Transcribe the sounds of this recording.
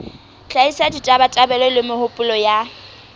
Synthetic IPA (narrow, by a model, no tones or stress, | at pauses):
t͡ɬʼaisaditʼabatʼabɛlɔlɪmɪhʊpʼʊlɔja